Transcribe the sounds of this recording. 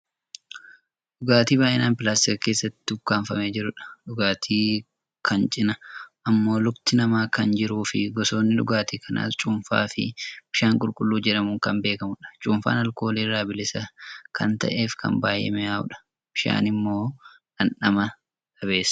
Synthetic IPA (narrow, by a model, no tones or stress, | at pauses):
ɗʊɡaːt̪iːbaːʔɪnaːnpɪlaːst̪ɪkɐke̞ːsːɐt̪ːɪʊɡkːaːɱfɐmeːd͡ʒɪɾʊᶑɐ̥ᶑʊɡaːt̪ʰiː | kʰɐnt͡ʃʼɪnɐʔɐmːo̞ːlʊbt̪ɪnɐmaːkɐnd͡ʒɪɾuːfɪɡɔso̞ːnːɪᶑʊ̰ɡaːt̪iːkʰɐna̰ːtt͡ʃʼuːɱfa̰ːfɪ̰b̥ɪʃaːŋkʼʊlkʼʊlːuːd͡ʒɛᶑɐmʊːŋkɐmbe̞ːkɐmʊᶑɐ̥t͡ʃʼuːmfa̰ːnɐlko̞ːliːrːaːbɪlɪsɐkʰɐnt̪ɐ̰ʔe̞ːfkʰɐ̰mbaːjɛ̰mɛjaːʊ̰ᶑɐ̥ | b̥ɪʃa̰ːnɪmːo̞ːᶑɐnᶑɐmɐ | ɐβe̞ːsɐ̥